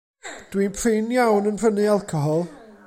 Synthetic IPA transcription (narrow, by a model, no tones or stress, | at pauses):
d̥winpʰrɪnjawnənpʰr̥ənɨalˠkʰɔɦɔlˠ